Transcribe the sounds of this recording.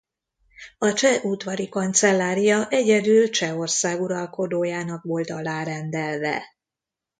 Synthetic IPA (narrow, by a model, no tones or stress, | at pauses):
ɒt͡ʃɛʔuːt̪ʋɒɾikɒnt̪sɛlːaːɾijɒʔɛɟɛd̪ylt͡ʃɛo̞rsaːɡuɾɒlko̞d̪oːjaːnɒkʋo̞lt̪ɒlaːɾɛnd̪ɛlvɛ̰